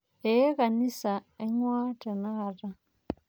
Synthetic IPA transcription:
e˦ka˨ni˦sa˨e˦ŋwaː˦tɛ˨na˦ɣa˨ra˦

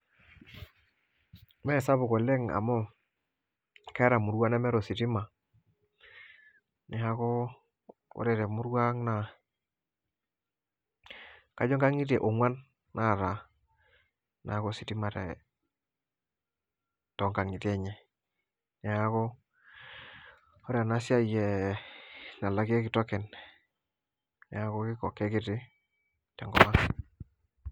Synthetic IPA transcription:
mɛ˦˨sa˦bʊ˨ko˨le˦ŋa̰˨mo˦ | ka˦ɾa˨mu˨ɾwa˦na˦mɛ˦ɾo˨si˨ti˦ma˨ | nɛ˨ha˦ko˦ | o̰˦ɾɛ˨te˨mu˦ɾɡa˦ŋna˨ | ka˨d͡ʒo˦ŋɡa˦ŋi˦te˨ʔo˨ŋwa˦nː | a˦˨ɾa˨ | na˨˦ko˦sɪ˦ti˦ma˨tɛ̰˨ | tɔ˨ŋɡa˨ŋi˨tɛ˦˨ɲɛ˨ | nɛ˨a˦kɔ˦ | o˦ɾɛ˨na˦si˦a˦˨jɛ˨ | na˨la˦ɡe˦kɪ˨tɔ˦kɛ˨n | nɛ˨a˦ko˦kɪ˦kɔ˨kːɛ˦kɪ˦tɪ˦ | tɛ˨ŋɡɔ˦ma˦

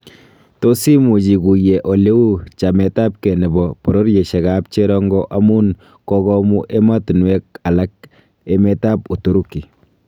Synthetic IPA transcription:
to˦si˦mu˨t͡ʃi˨ku˨jɛ˨ʔo˨le˦u˦t͡ʃa˨mɛ˨ta˦p̚ke˨nɛ˨bɔ˨pɔ˨ɾo˦ɾje˨ʃɛ˨ka˦p̚t͡ʃe˦ɾɔ˦ŋɡɔ˦ʔa˦mu˦n | kɔkɔ˦mu˦ʔe˦ma˦tu˨nwe˦k̚a˨la˦k̚ | e˦mɛ˦ta˦pu˨to˨˦ɾu˦kːi˨

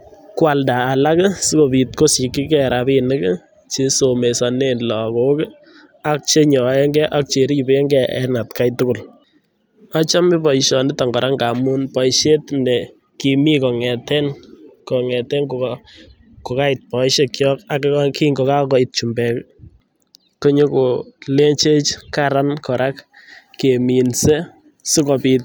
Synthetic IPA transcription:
kwa˨ldaː˨la˦ksɪ˦ko˨pi˨t̚ko˦si˨ki˦kɛɾa˨pi˦nɪ˦k | t͡ʃe˦so˨me˨sa˨ne˦nlɔ˨ko˦k | a˦k̚t͡ʃe˦ɲɔ˨ɛ˦ŋɡɛ˦ʔa˦k̚t͡ʃe˨ɾi˦˨pe˦ŋɡɛ˦ɛ̰˦na˨tka˦jtʊ˦kʊ˨l | a˦t͡ʃa˦mɪ˦pɔ˨iʃɔ˨nɪ˦ta˨ŋɡɔ˨ɾʔa˦ŋɡa˨mu˦npɔ˨ɪʃe˦tnɛ˨ | ki˨mi˦kɔ˨ŋɛ˨tɛ˦nkɔ˨ŋɛ˨tɛ˦ŋko˨ | kɔ˨ka˦ɪ˨t̚pɔ˨ɪʃe˦kjɔ˦ka˦kki˦ŋɡɔ˨ka˦kɔ˨ɪ˨t̚t͡ʃu˨mbɛ˨k | ko˦ɲo˦ko˨le˦t͡ʃe˦t͡ʃkaɾa˦nkɔ˨ɾʔa˦k | ke˨mi˨nse˦ | sɪ˦kɔ˨pi˦t

